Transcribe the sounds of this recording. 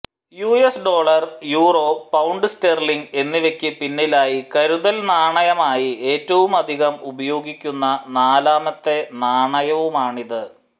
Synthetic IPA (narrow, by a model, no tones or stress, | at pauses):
juːesɖo̞ːɭɐrjuːro̞ːpːɐwɳɖɨsterliŋɡe̞nːiʋekʲːɨpinːilaːjikɐɾuðɐlnaːɳɐjɐmaːjie̞ːtːɐʋumɐd̪ʱiɣɐmubɐjo̞ːɡikʲːunːɐnaːlaːmɐt̪ːe̞naːɳɐjɐʋumaːɳiðɨ